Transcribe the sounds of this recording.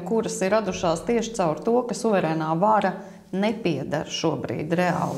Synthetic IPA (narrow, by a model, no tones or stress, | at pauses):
kuɾɐsiɾad̪uʃaːst̪iɛʃɪ̥t̪sawɾt̪uɔkasuvɛɾɛːnaːvaɾɐ | nɛpiɛd̪a̰ɾʃuɔbɾḭːd̪ɾɛa̰ːlˠ